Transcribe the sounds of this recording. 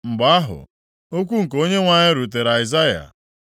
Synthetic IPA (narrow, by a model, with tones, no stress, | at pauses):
ŋ͡m̩˨ɡ͡ba˨a˦ɦʊ̰˨ | o˦k̬ʷu˦ŋ̩˨ko˦ɲe˦ŋʷa˦ɲɪ˦ɾu˨t̬e˨ɾa˨ɪ˨za˦ja̰˨